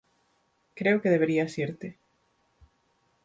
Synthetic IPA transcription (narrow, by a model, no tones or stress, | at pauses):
kɾeʊkeðeβeɾiasiɾt̪ɪ